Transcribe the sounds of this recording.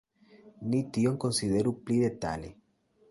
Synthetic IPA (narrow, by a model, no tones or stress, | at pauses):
nit̪ioŋkonsiðeɾupliðet̪a̰lḛ